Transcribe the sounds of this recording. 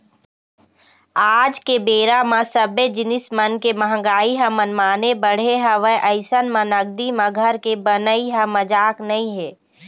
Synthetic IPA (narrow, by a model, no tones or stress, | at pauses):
aːd͡ʒkebeːɾamãsəbed͡ʒɪnɪsmənkeməɦə̃ɡaːiɦəmənmaːnebəɽ̤eɦəʋəɦʔəɪsənmə̃nəɡd̪imə̃ɡʱəɾkebənəiɦə̃məd͡ʒaːknəĩɦɛː